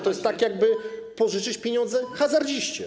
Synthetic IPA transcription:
t̪ɔjɛst̪t̪ːakʲjaɡ̚bɘpɔʐɘt͡ʂɘt͡ɕpʲjeɲɔnd̪zɛxazaɾd͡ʑiɕt͡ɕɛ̰

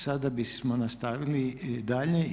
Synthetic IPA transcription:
sad̪abismonast̪aʋilid̪aʎɲe

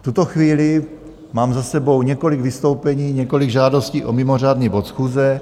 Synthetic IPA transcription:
ft̪ut̪o̞xviːlɪ | maːmzasɛbo̞wɲɛko̞lɪɡvɪst̪o̞wpɛɲiːɲɛko̞liɡʒaːdo̞sciːʔomɪmor̝aːd̪nibot̪sxuːzɛ

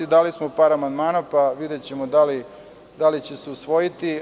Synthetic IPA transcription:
id̪alismo̞paːɾamand̪maːnapaʋid̪et͡ɕe̞mod̪ali | d̪alit͡ɕe̞seusʋo̞jit̪i

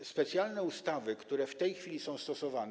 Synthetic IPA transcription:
spɛt̪sʲjalnɛust̪avɘkt̪uɾɛft̪ɛjxfʲilʲisɔ̃w̃st̪ɔsɔvan

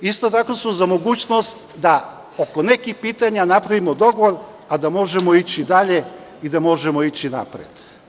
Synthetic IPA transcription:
ist̪o̞t̪akosmozamoɡuːt͡ʃno̞st̪ | d̪a | okone̞kixpiːt̪aɲanapɾaʋimod̪o̞ɡoʋoɾ | ad̪amo̞ʒemoit͡ɕid̪aʎe̞ | id̪amo̞ʒemo̞it͡ɕina̰pɾḛd̪̥

